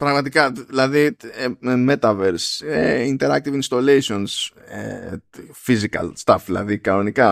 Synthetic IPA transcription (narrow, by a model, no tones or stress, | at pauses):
pɾɐɣmɐt̪ikɐðilɐði | me̞t̪ɐveɾseint̪e̞ɾɐk̚t̪ivinst̪olejsio̞nse | fizikɐ̰lst̪ɐfðilɐ̰ðikɐno̞nikɐ